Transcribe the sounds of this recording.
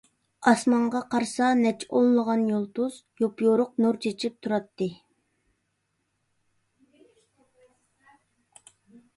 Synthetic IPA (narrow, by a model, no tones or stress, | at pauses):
ɑsmɑɴʁɑqʰɑɾsɑnɛt͡ʃʰollˠəʁɑnjolˠt̪uz̥ | jopjoɾʊq̚nuɾt͡ʃʰet͡ʃʰip̚t̪ʰuɾɑt̪ːɨ